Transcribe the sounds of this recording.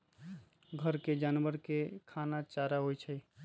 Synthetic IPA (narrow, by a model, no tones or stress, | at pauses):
ɡʱəɾked͡ʒanbəɾkekʰanat͡ʃaɾaɦojt͡ʃʰəj